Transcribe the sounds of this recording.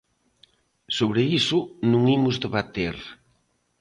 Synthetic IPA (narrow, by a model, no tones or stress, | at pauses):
soβɾeisʊnũŋimʊzðeβat̪eɾ